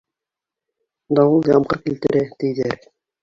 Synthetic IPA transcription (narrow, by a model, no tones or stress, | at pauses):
d̪ɑwɤlˠjɑmqɤɾkilt̪ɘ̆ɾæt̪ijðæɾ